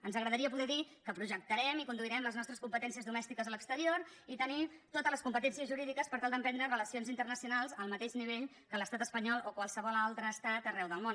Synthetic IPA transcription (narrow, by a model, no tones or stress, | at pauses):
ənzəɣɾəðəɾiəpuðɛðikəpɾuʒək̚t̪əɾɛmikund̪uiɾɛmləznɔst̪ɾəskumpət̪ɛnsiəzðumɛst̪ikəzələkst̪əɾioɾit̪ənit̪ot̪əzləskumpət̪ɛnsiəzʒuɾiðikəspəɾt̪alˠd̪əmpɛnd̪ɾərələsionzint̪ərnəsiunalˠzəlˠmət̪eʃniβeʎ | kələst̪at̪əspəɲɔlˠokwalˠsəβɔlalˠt̪ɾəːst̪at̪ərɛwðəlˠmon